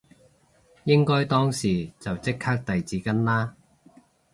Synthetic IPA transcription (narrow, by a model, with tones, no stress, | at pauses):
jɪ˥ŋkɔː˥jt̪ɔː˥ŋsiː˨t͡sɐ˨wt͡sɪ˥kʰːaː˥k̚t̪ɐ˨jt͡siː˨˧˥kɐ˥nlaː˥